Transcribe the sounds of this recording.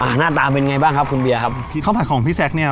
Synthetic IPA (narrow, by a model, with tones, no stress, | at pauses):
ʔaː˧˩naː˥˩t̪aː˧pe˧njŋa˧jbaː˥˩ŋkʰa˦˥p̚kʰu˧nbi˧ɐkʰa˦˥p̚pʰi˧˥˩pʰa˨˩kʰɔː˩˦ŋpʰi˦˥˩sɛ˦˥k̚ni˥˩ɐ